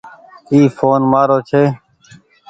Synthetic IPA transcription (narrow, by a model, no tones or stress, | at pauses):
iːfoːnmaːɾoːt͡ʃʰeː